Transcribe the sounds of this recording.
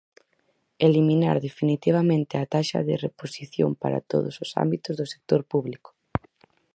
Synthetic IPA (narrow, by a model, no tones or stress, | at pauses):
elimĩna̰ɾðefinit̪iβ̞amẽnt̪ɪat̪aʃa̰ðɪreposiθjo̰mpa̰ɾa̰t̪o̰ðʊ̰sʊsa̰mbit̪ʊzðʊse̥k̚t̪oɾpuβlikʊ̥